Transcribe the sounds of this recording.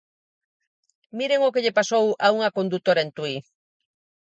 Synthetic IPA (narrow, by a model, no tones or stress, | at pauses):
miɾeŋokeʎepasowʔawŋakond̪ut̪oɾent̪uj